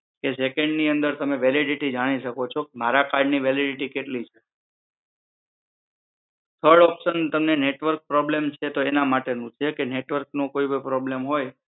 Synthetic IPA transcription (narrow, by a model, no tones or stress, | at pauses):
kesekeɳɖniənd̪əɾt̪əmeʋɛliɖiʈid͡ʒaɽ̃iʃəkot͡ʃʰokemaɾakaɾɖniʋeliɖiʈikeʈlit͡ʃʰe | t̪ʰəɾɖɔpʃənt̪əmneneʈʋəɾk̚pɾɔblemt͡ʃʰet̪oenamaʈenũt͡ʃʰekeneʈʋəɾknokoibəpɾɔblemɦoj